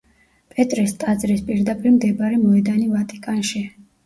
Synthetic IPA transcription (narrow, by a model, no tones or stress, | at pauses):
pʼɛt̪ʼɾist̪ʼad̪zɾispʼiɾd̪apʼiɾmd̪ɛbaɾɛmɔɛd̪anivat̪ʼikʼanʃi